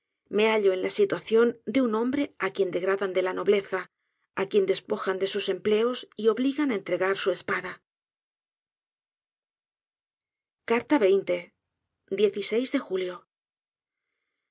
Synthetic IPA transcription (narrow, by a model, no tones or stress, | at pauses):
me̞aʎoenlasit̪waθjo̞nd̪eunõ̞mbɾe̞akje̞nd̪e̞ɣɾaðand̪e̞lano̞βle̞θa | akje̞nd̪e̞spo̞xand̪e̞suse̞mple̞osio̞βliɣanaent̪ɾe̞ɣaɾsue̞spaða | kaɾt̪aβe̞jnt̪e̞ | d̪je̞θise̞jzðe̞xuljo̞